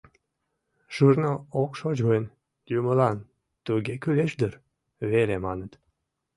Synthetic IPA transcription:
ʒ̥urnəokʃod͡ʑɣən | juməlɑn | t̪uɡekyleʃd̪əɾ | βelemɑnət̪

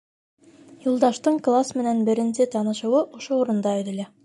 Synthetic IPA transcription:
julˠd̪ɑʃt̪ɤɴklˠasmɘ̆nænbɘ̆ɾɘ̆nsɘt̪ɑnɤ̆ʃɤ̆wɤʔŏʃouɾɤ̆nd̪ɑɵ̆ɾɘ̆læ

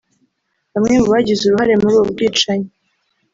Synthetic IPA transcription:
hamŋemuβaɟizuɾuhaɾe̞muɾubɡiːt͡ʃaɲe

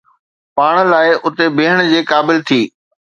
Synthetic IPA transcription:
paːɽ̃̆laːɪʔʊt̪ebeːɦəɽ̃d͡ʑeːkaːbɪlt̪ʰiː

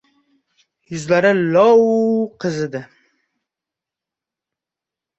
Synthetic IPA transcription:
jʊzlaɾɪlɒwqʰɨzɪd̪ɪ

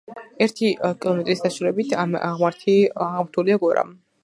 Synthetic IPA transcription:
ɛɾt̪ʰikʼilˠɔmɛt̪ʼɾisd̪aʃulɛbit̪ʰaʁmaɾt̪ʰiaʁmɾt̪ʰuliaɡɔɾa̰m

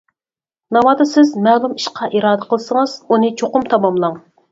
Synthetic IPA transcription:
nɑmɑːd̪ɨsɪzmɛlˠumiʃqʰɑʔiɾɑːd̪əqəlˠɨsəŋəz̥unɨt͡ʃʰoqʊmt̪ʰɑmɑmlˠɑŋ

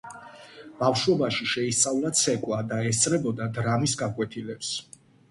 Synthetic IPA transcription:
b̥afʃɔbaʃiʃɛist̪sʼavlˠat̪sʰɛkʼwad̪aɛst̪sʼɾɛbɔd̪ad̪ɾamisɡakʼwɛt̪ʰilɛps

